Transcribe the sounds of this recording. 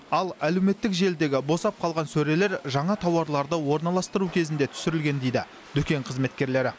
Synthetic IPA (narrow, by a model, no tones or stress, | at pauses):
ɑlˠæle̞wme̞t̪ːɪkʒe̞ld̪e̞ɡʲɪbo̞sɑp̚qʰɑlˠʁɑnsɵɾe̞le̞ɾʒɑɴɑt̪ʰɑwɑɾlˠɑɾd̪əwo̞ɾnɑlˠɑst̪əɾukʲʰe̞zɪnd̪e̞t̪ʰʏ̥sɪɾɪlɡʲe̞nd̪e̞jd̪ɪ | d̪̥ʏkʲe̞ɴqʰəzme̞t̪̚kʲe̞ɾle̞ɾɪ